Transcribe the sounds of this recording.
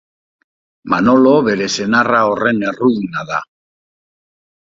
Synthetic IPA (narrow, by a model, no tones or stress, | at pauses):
mano̞lo̞βe̞ɾe̞se̞naraore̞ne̞ruðinaða